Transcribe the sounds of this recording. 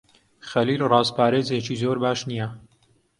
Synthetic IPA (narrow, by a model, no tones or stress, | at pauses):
xɐliːlrɑːzpʰaːɾeːzeːt͡ʃizoːɾbaːʃnijɛ